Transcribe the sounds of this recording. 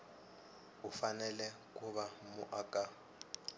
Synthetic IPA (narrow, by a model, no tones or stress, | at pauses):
ufanɛlɛkʼuβamʊʔakʼa